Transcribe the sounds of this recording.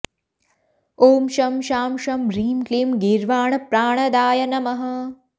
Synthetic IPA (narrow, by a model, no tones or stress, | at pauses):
oːmʃɐmʃaːmʃɐmɾiːmklimɡiɾʋaːɳɐpɾaːɳɐd̪aːjɐnɐmɐɦɐ̆